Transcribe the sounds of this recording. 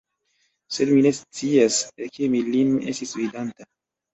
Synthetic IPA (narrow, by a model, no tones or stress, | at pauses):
selminest͡siasekemilinḛstisvidanta